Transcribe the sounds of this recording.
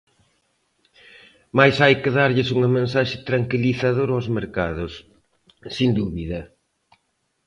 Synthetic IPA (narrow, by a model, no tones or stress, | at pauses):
majsajkɪðaɾʎɪsuŋɐmẽns̬aʃɪ̥t̪ɾaŋkiliθaðoɾawzmeɾkaðʊsː | ind̪uβiðɐ